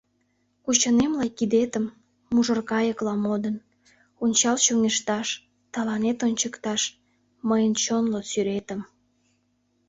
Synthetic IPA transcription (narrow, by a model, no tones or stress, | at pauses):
kut͡ɕənemlɑjkid̪et̪əmː | uʒərkɑjəklɑmod̪ən | unʲt͡ɕɑlɕoŋeʃt̪ɑʃ | t̪ɑlɑnet̪onʲt͡ɕəkt̪ɑʃ | məjənt͡ɕonlosyɾet̪əm